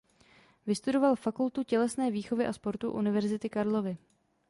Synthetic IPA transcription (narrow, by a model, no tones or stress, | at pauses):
vɪst̪udo̞valfakult̪ucɛlɛsnɛːviːxo̞vɪʔaspo̞ɾt̪ṵʔṵnɪvɛɾzɪt̪ɪkaɾlo̞vɪ